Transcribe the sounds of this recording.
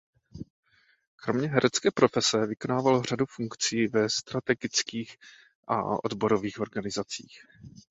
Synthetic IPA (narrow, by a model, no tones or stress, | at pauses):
kɾo̞mɲɛɦɛɾʔɛt͡skɛːpɾo̞fɛsɛvɪko̞naːvalor̝adufuŋkt͡siːvɛst̪ɾat̪ɛɡɪt͡skiːx | ʔa̰ʔo̞̰dbo̞ɾo̞viːxo̞ɾɡanɪzat͡sḭːx